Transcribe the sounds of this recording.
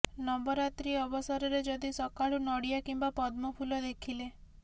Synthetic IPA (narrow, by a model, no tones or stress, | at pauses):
nɔmbɔɾat̪ɾiɔbɔsaɾɔɾed͡ʒɔd̪isɔkaɭunɔɽijakimbapɔd̪mɔpʰulɔd̪ekʰile